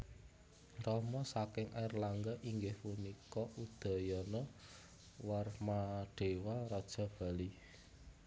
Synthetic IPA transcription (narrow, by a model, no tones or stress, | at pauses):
rɔmɔsakɪŋʔarlaŋɡaʔiŋɡɪhpunikɔʔud̪̥a̤jɔnɔ | warmaɖ̥e̤waɾɔd̥ʒ̥a̤b̥a̤li